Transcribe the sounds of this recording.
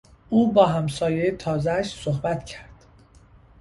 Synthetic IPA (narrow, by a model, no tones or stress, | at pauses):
ʔuːbɒːɦæmsɒːjejt̪ʰɒːzæʃsohbæt̪cʰæɾd̪̥